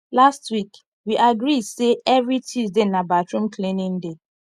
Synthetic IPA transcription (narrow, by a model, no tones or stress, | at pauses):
lastwik | wiʔaɡɾiseɛvɹitʰizdenabatɹũm̩kʰlenĩn̩de